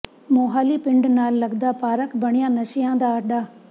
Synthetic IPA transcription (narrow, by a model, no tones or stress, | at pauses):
moːɦaːliːpɪ̃ɳɖnaːlːəɡd̪aːpaːɾəkbəɽ̃ɪjãːnəʃɪjãːd̪aːəɖaː